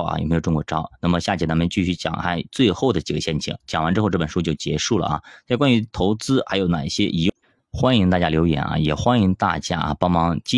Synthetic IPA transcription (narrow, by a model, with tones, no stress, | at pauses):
ɐ̰˩j̰me˧˥jʈ͡ʂʊ˥ŋkwɔ˧˥ʈ͡ʂɑ˥ʊna˥˩mə˩ɕja˥˩t͡ɕjɛ˥˩a˥mə˧˥t͡ɕy˥˧ɕy˥˩t͡ɕjɑ̰˨˩ŋa˧˥ɪt͡swe˥˧ɪxo˥˩ʊd̪ə˩t͡ɕi˨˩ɡə˦ɕjɛ˥˩nt͡ɕʰḭ˨˩˥ŋt͡ɕjɑ˨˩ŋwa˧˥nʈ͡ʂɻ̩˥xo˥˧ʊʈ͡ʂɤ˥˩ə˨˩ʂu˥t͡ɕjo˥˩ʊt͡ɕjɛ˧˥ʂu˥˩lə̰˩ʔɐ̰˨˩t͡sʰkwa˥ny˧˥t̪ʰo˧˥ʊt͡sɹ̩˥xa˧˥ɪjo˧˥ʊna˨˩ɕjɛ˥ʔi˧˥ | xwa˥ni˧˥ŋt̪a˥˧˩t͡ɕja˥ljo˧˥ʊjɛ̰˨˩˦nʔɐ̰˧jɛ˨˩xwa˥ni˧˥ŋt̪a̰˥˩t͡ɕja˥ʔɐ̰˧pɑ˥ŋmɑ˧˥ŋt͡ɕi˥